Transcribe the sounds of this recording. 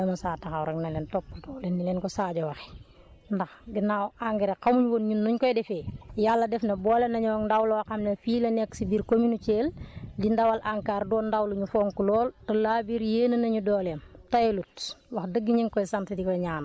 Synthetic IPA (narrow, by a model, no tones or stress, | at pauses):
ɐmɐsaːtɐxɐwɾɐknɐlɛntɔpːɐltɔlenːilɛːnkɔsaːɟɐwɐxɛ̥ | ndɐxɡinawaŋɡɛɾekɐmuɲwonɲunːuɲkɔjdɛfeːjalːɐdɛfnɐbɔːlenɐɲɔːŋndawlowɐxɐmnɐfiːlɐnɛksibiɾkominut͡ʃeːldindɐwɐlʔaŋkaːrdɔːndawluɲufɔːŋkulɔːltɐlaːbiɾjeːnɐnɐɲudɔːlemtɐjlutwɐxdəɡːiɲiŋkɔjsantitikɔjɲaːn